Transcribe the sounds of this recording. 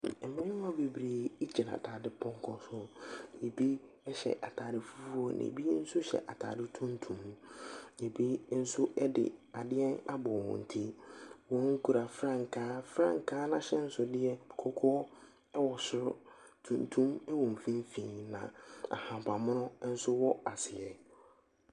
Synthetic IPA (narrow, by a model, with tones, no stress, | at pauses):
ɛ˨mɪ̃˦nɪ˦ã˦be˨bɾeː˨i˦t͡ɕi˨na̰˨tʰaː˨dɪ˦pʰɔ̃˦ŋ˦kʰɔ˦sʊ˦e˨bi˦ | ɛ˦ɕɛ̰˨ʔa˨tʰaː˨dɪ˨fu˦fu˦o˦nã̰˨bi˦n̩˦sʊ˦ɕɛ̰˨ʔa˨tʰa̰ː˨dɪ˦tʰũ˦ntʰũ˨m | e˨bi˦n̩˦sʊ˦ʔɛ˦dɪ̰˨a˨dɪ˦ɛ˦na˦bɔ˨wɔ̰̃˨n̩˨tʰi˦wɔ̃˦ŋ̩˦kʰu˨ɾa˨fɾã˦ŋ̩˨kʰaː˦fɾã̰˦˨ŋ˨kʰaː˦nã˦ɕɛ˦n̩˦sʊ˨dɪ˦ɛ˨kʰɔ˦kʰɔ˦ | ɛ˦wɔ˨sʊ˨ɾʊ˦ | tʰũ˨ntʰũ˦mɛ˦wɔ̃˨m̩˨fĩ˦m˦fĩː˨nã̰˨a̰˨hã˨ba˨mʊ̃˦nʊ̃˦n̩˦sʊ˦wɔ˦a˨sɪ˨ɛ˨